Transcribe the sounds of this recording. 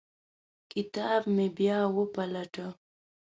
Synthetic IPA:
kɪt̪aːbmebjaːwəpalaʈa

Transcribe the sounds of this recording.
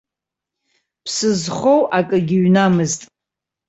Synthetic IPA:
pʰsɨzχo̞wʔakʼɨɡʲɪɥnamɨztʼ

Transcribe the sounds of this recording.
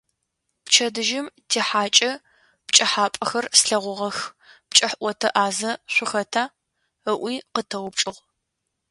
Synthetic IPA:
pt͡ʃʰɐdɨʒɪmtʰeːħaːt͡ʃʼɐ | pt͡ʃʼɐħaːpʼɐxɐrsɬɐʁʷʊʁɐxp̚t͡ʃʼɐħʔʷɔtʰɐʔaːzɐɕʷʊxɐtʰaː | əʔʷiːqətʰɐwʊp̚t͡ʃʼɨʁ

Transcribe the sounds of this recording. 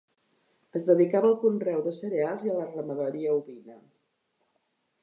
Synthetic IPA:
əzðəðikaβəːlˠkunrɛwðəsəɾealˠziələrəməðəɾiəuβinə

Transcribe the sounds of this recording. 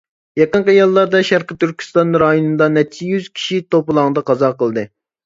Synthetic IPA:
jɑqənqəjɑlˠːɑɾd̪ɑʃæɾqət̪yɾkʲʰy̥st̪ɑnɾɑjond̪ɑnɛt͡ʃʰijyz̥kʲʰi̥ʃit̪oplˠɑŋd̪ɑqʰɑzɑqəlˠd̪ɨ

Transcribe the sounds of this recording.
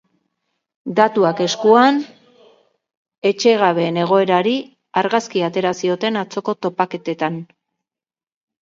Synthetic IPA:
d̪at̪uake̞skuan | e̞t͡ʃe̞ɣaβe̞ːne̞ɣ̞o̞e̞ɾaɾi | aɾɣaskiat̪e̞ɾasio̞t̪e̞nat͡so̞ko̞t̪o̞pake̞t̪e̞t̪an

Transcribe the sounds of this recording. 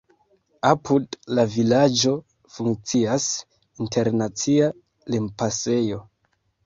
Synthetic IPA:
apʰudlavilad͡ʒo̞ | fuŋkt͡sias | intʰe̞ɾnat͡sia | lempase̞jo̞

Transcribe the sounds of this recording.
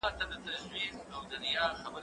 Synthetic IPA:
ɑt̪ad̪ət̪aʃwiqawd̪aɾijɑxabə

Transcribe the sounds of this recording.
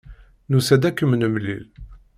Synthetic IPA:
nusæd̪ækːəmənəmlḭl

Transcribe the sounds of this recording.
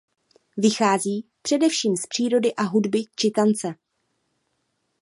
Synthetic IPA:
vɪxaːziːpr̥ɛdɛfʃiːmspr̥iːɾo̞dɪʔaɦudbɪt͡ʃɪt̪ant͡sɛ

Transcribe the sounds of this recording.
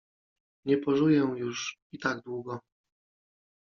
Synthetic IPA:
ɲɛpɔʐujɛw̃juʂit̪aɡd̪wuɡɔ

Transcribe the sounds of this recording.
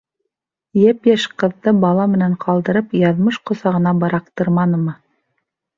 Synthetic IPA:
jæpjæʃqɤ̆ðːɤbɑlˠɑmɘ̆næɴqʰɑlˠd̪ɤ̆ɾɤpjɑðmɤʃqŏsɑʁɤ̆nɑbɤ̆ɾɑq̚t̪ɤɾmɑnɤ̆mɤ

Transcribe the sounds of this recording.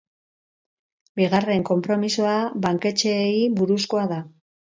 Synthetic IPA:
biɣare̞ŋko̞mpɾo̞misoaβaŋke̞t͡ʃe̞iβuɾusko̞aða

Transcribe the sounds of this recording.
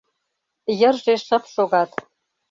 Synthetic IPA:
jə̆rʒeʃə̆pʃoɣɑt̪

